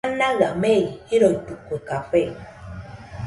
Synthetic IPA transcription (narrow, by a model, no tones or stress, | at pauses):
naɣameiiɾotukokaɸɛ